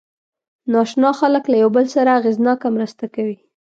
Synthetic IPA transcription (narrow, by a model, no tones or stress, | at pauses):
nɑʃnɑxaləklajawbəlsaɾaːɣeznɑkamɾəst̪akawi